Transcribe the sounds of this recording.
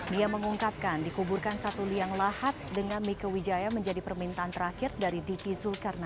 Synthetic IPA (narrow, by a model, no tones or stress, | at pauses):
miaməŋuŋkap̚kandikuburkansat̪uliaŋlahat̪̚dəŋanmikəwid͡ʒajaməɲd͡ʒadipərmint̪aːnt̪əɾakɪrdaɾidipizʊlkarna